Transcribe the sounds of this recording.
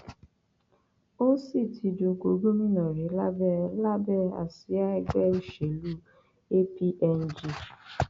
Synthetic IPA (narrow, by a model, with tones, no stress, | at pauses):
o˦si˦˨tʰi˧dũ˧ɡo˨˦ɡo˦mĩ˦nã˨ɾe˨˦la˦bɛ˦˨la˦bɛ˦˨a̰˨si˨˦a˦ɛ˦˧ɡ͡bɛ˦i˦ʃe˨˦lu˦ | e˦pi˦ʔɛ˧n˦d͡ʒi˧˨